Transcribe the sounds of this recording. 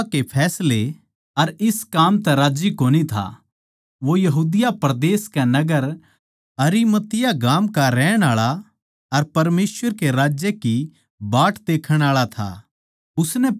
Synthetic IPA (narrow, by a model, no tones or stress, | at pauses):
kepʰɛːsle | ɐɾɪskaːmt̪ɛɾaːd͡ʒikoːnit̪ʰa̰ | ʋojɐɦuːd̪ɪjapɾɐd̪eːskɛnɐɡəɾ | ɐɾimɐt̪ɪjaɡaːmkaɾɛːɽ̃aːɭa | ɐɾpɐɾmeːsʋəɾkeɾaːd͡ʒjeki | baːʈd̪eːkʰəɽ̃aːɭat̪ʰa̰ | ʊsnɛ